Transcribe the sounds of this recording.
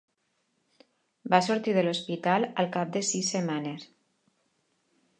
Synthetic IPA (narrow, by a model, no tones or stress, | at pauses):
basoɾt̪iðəlospit̪aləlˠkap̚d̪esisːemanes